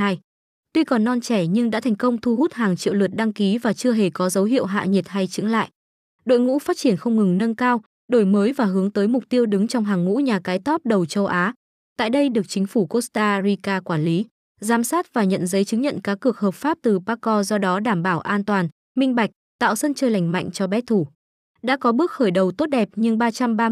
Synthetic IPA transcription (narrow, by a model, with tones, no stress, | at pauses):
aː˧j | t̪wi˧kɔ˨˩nːɔ˧nt͡ɕɛ˧˩ɲɨ˧ŋɗa̰ː˧˥t̪ʰɛ˨˩ŋ̟kə˧wŋ͡mt̪ʰu˧ɦu˦˥t̚haː˨˩ŋt͡ɕḭ˧˨wlɨ˨˩t̚ɗa˧ŋki˨˦vaː˨˩t͡ɕɨ˧əɦe˨˩kɔ˨˦zə˨˦wɦḭ˧əwɦa̰ː˧˨ɲi˨˩t̚ha˧jt͡ɕɨ̰˨˥əŋla̰ː˧˨jʔ | ɗo̰˧˨jŋṵ˧˥faː˦˥t̚t͡ɕi˧˩ənxə˧wŋ͡mŋɨ˨˩ŋnə˧nkaː˧w | ɗo˧˩jməː˨˦jvaː˨˩ɦɨ˨˦əŋt̪əː˨˦jmʊ˨˩k͡p̚t̪i˧əwɗɨ˨˦ŋt͡ɕɔ˧wŋ͡mɦaː˨˩ŋːṵ˧˥ɲaː˨˩kaː˨˦jt̪ɔ˦˥p̚ɗə˨˩wt͡ɕə˧wʔaː˨˦ | t̪a̰ː˧˨jɗə˧jɗɨ˨˩ək̚t͡ɕï˨˦ŋ̟fu˧˩ko˦˥st̪aː˧ɾi˧kaː˧kwaː˧˩nli˨˦ | zaː˨˦msaː˦˥t̚vaː˨˩ɲə̰˧˨nzə˨˦jt͡ɕɨ˨˦ŋɲə̰˧˨nkaː˨˥kːɨ˨˩ək̚həː˨˩p̚faː˦˥p̚t̪ɨ˨˩ɓaː˧kɔ˧zɔ˧ɗɔ˨˦ɗaː˧˩mɓaː˧˩wʔaː˧nt̪waː˨˩n | mï˧ŋ̟ɓa˨˩jk̟̚t̪a̰ː˧˨wsə˧nt͡ɕəː˧˩jla˧˩jŋ̟ma̰˧˨jŋ̟t͡ɕɔ˧ɓɛ˦˥t̪ʰu˧˩ | ɗa̰ː˧˥kɔ˨˦ɓɨ˦˥ək̚xəː˧˩jɗə˨˩wt̪o˦˥t̚ɗɛ˨˩p̚ɲɨ˧ŋɓaː˧t͡ɕa˧mɓaː˧